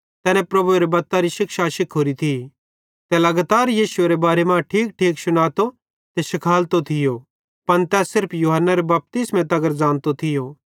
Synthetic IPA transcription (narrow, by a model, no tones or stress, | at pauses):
t̪ɛːnɛ̃pɾɐbʱueɾebɐt̪ːaɾiʃɪkʃaʃɪkʰɦoːɾit̪ʰi | t̪ɛlɐɡat̪aːɾjiːsʊeɾebaːɾemãʈʰiːk̚ʈʰiːksʊnaːt̪o | t̪ɛʃɪkʰaːlt̪ot̪ʰɪjo | pɐnt̪ɛːsɪɾpʰjuːɦənːaɾebɐp̚t̪ɪsmẽt̪ɐɡəɾd͡zãːnt̪ot̪ʰɪjo